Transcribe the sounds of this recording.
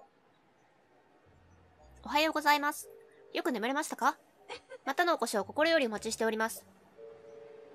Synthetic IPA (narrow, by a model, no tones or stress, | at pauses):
o̞ɦajo̞ːɡo̞zaimasɨ̥jo̞kɯ̟ne̞meɾe̞maɕi̥t̪ḁka | mat̪ano̞ːko̞ɕioko̞ko̞ɾo̞jo̞ɾio̞mat͡ɕiɕi̥t̪e̞o̞ɾʲimasɨ̥